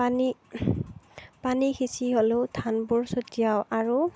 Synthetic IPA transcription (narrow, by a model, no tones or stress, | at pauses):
pani | panixʰisiɦolotʰanbuɹsotijaʊʔaɹu